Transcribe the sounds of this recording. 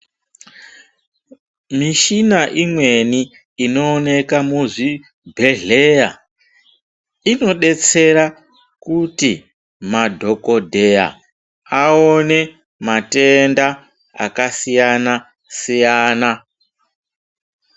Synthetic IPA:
miʃinaʔimwe̞niː | no̞ːne̞kamuʐi | bʱe̞ɮeja̰ | ino̞ɗe̞t͡se̞ɾa | kuti | madʱo̞ko̞dʱe̞ja̰ | aone̞ | mate̞nda | a̰kasijana | sijaːna

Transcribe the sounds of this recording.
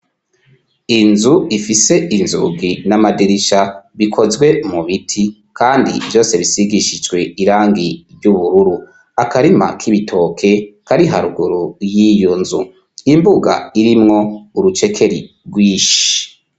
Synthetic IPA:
inzuifise̞inzṵɡinamadiɾiʃaβikʰo̞zɡwe̞muβitʰi | kaːndḭbjo̞ːse̞βisiɡiʃid͡ʒɡwe̞iɾaːŋɡiɾɟuβuɾuɾu | akaɾima̰kʰiβitʰo̞ːkʰe̞kaɾiɦaɾuɡuɾujijonzu | imbuɡa̰iɾimŋo̞uɾut͡ʃe̞kʰe̞ɾḭ | ɡwiːʃi̥

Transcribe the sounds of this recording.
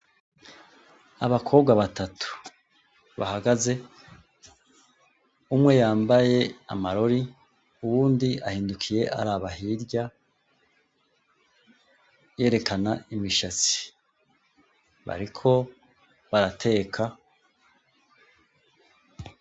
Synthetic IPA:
aβakʰo̞ːbɡwaβatʰatʰu̥ | βa̰haɡaze | umŋe̞jaːmbaje̞a̰maɾo̞ɾi | uwuːndiahiːndukʰije̞ʔa̰ɾaβaɦiɾɟa | je̞ːɾe̞kanaimiʃat͡si̥ | βa̰ɾikʰo̞ | βaɾatʰe̞ːkʰa

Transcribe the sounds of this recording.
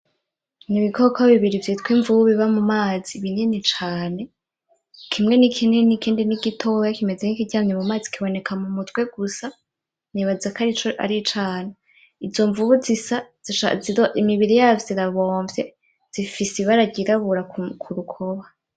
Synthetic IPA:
niβikʰokʰaβiβiɾivjitwiɱvuβuβiβamumaːz̥iβiɲenit͡ʃaːne̞ | kʰimŋe̞nikʰinenikʰiːndiniɡitʰojakime̞zenikiɟamɲemumaːzi̥kʰiβo̞ne̞kamumutwe̞ɡ̥usa | niβazakaɾit͡ʃoa̰ɾit͡ʃaːne | izo̞ɱvuβuzisḁ | iaioʔimiβiɾijavziɾaβo̞ːɱvje | z̥ifisiβaɾaɟiɾaβuɾakkʰuɾukʰo̞βa

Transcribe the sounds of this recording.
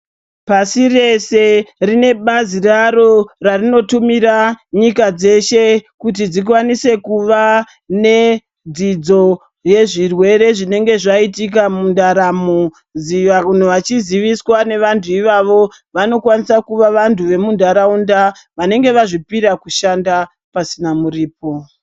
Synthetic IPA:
pasire̞se̞rine̞ɓaziraɾo̞rarino̞tumiɾaɲikad͡ze̞ʃe̞kut̬id͡zik̬wanise̞kuʋa | ne̞ | d͡zid͡zo̞ | je̞ʐirwe̞ɾe̞ʐine̞ŋɡe̞ʐaitik̬amundaɾamo | ziʋaun̤oʋat͡ʃiziʋiswane̞ʋantʰuiʋaʋo̞ | ʋano̞kwanisakuʋaʋantʰuʋe̞mundʱaɾaunda | ʋane̞ŋɡe̞ʋaʐipiɾakuʃanda | pasinamuriːp̚o̞

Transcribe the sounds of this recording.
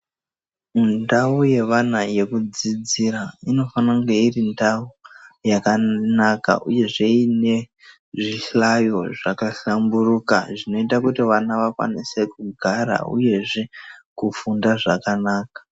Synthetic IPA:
mundauje̞ʋanaje̞kud͡zid͡ziɾaino̞fanaŋɡeirindaujakanaka̰ʔuje̞ʐe̞ine̞ | ʐiɬajo̞ʐakaɬamburuka̰ʐino̞itakutiʋanaʋakwa̰nise̞kuɡʱaɾa̰ṵje̞ʐe̞kufundaʐakanaːkḁ

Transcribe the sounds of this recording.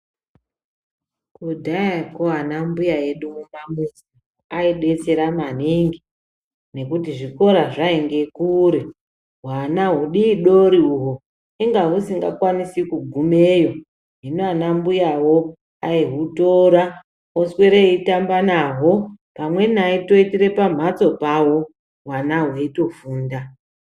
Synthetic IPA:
kudʱajakoanambujaeɗumumamusi | aiɗe̞t͡se̞ɾamaniŋɡi | ne̞kutiʐiko̞ɾaʐaeŋɡe̞kuɾe | ɦwanaɦuɗiɗoɾiuɦo | iŋɡaɦusiŋɡa̰kwanisikuɡʱume̞jo̞ | ɦinoanambujawo̞ | aiɦutoɾa | oswe̞ɾeitambanaɦo̞ | pamwe̞naito̞itiɾe̞pam̤at͡so̞pawo̞ | ɦwanaɦweito̞fuːnda

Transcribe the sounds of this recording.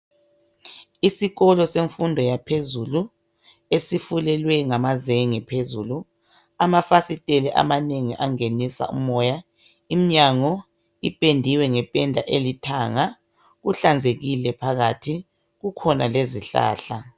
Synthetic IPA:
isiɣɔlɔseɱfundʱɔjapʰezulu | esifulɛlwɛŋamazeŋipʰezuːlu | amafasitʼeliʔa̰maneŋiʔaŋenisa̰ṵmɔja | im̩ɲaŋɔ | ipʼendʱiwɛŋɛpʼɛndʱaʔelitʰaŋa | ɣuɬand͡zʱeɣilɛpʰaɣatʰi | ɣukʰɔnaleziɬa̰ːɬa

